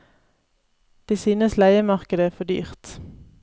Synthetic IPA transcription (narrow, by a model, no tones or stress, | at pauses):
d̪̥eːsyːnəslæɪəmɑʁkəd̪əæːfɔd̪y̰ːʁt̪